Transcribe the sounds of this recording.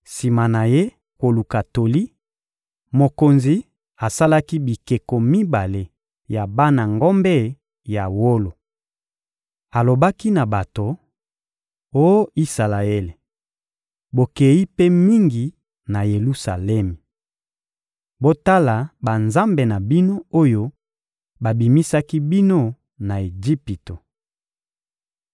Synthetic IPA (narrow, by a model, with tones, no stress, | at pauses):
si˨ma˨na˨je˦ | ko˨lu˨ka˨to˨li˦ | mo˨ko˨nzi˨ | a˨sa˦la˦ki˦bi˨ke˨ko˨mi˦ba˨le˨ | ja˨ba˦na˨ŋɡo˦mbɛ˦ | ja˨wo˦lo˨ | a˨lo˨ba˦ki˦na˨ba˨to˨ | o˦jo˦i˦sa˨la˨e˦le˨ | bo˨ke˨i˦pe˦mi˦ŋɡi˨ | na˨je˨lu˦sa̰˨lɛ˦mi˨ | bo˦ta˦la˨ba˨nza˦mbe˨na˨bi˦no˦o˦jo˦ | ba˨bi˨mi˦sa˦ki˦bi˦no˦ | na˨e˨d͡ʒi˦pi˨to˨